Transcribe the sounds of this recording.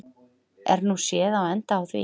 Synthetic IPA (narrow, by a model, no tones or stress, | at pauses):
ɛ̰ɾnusjɛːðawɛnt̪aːwθvɪ̰